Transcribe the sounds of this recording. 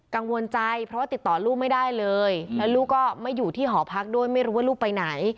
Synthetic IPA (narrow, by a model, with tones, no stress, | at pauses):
ka˧ŋwo˧nt͡ɕa˧jpʰɾɔ˦˥waː˥˩i˨˩t̪ːɔː˨˩luː˥˩ma˥˩jdaː˥˩jlɤː˧jlɛː˦˥wluː˥˩kɔː˥˩ma˥˩jːuː˨˩t̪ʰiː˥˩ɦɔː˩˦pʰa˦˥k̚du˥˩əjma˥˩jɾuː˦waː˥˩luː˥˩k̚pa˧jna˩˦j